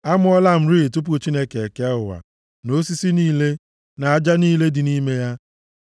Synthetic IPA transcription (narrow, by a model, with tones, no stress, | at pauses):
a˦mʊ˦ɔ˦la˦m̩˦ɾi˦i˨tu˦p̬ʊ˦t͡ʃi˦ne˦ke˨e˨ke˦a˦ʊ˨wa̰˨ | no˦si˦si˦niː˦le˦ | na˨a˨d͡ʒa˦niː˦le˦dɪ˨ni˦me˦ja˦